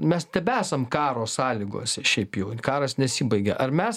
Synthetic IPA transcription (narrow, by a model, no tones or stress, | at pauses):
mʲɛst̪ʲɛpæːsɐmkɑːɾoːssɑːlʲiɡo̰ːsʲɛʃʲɛɪpjɛʊkɑːɾɐsnʲɛsʲiːbɐɪɡʲɛʔɐrmʲɛs